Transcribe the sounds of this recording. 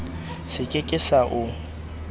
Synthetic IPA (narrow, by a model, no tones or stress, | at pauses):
sɪkʼekʼɪsaʔʊ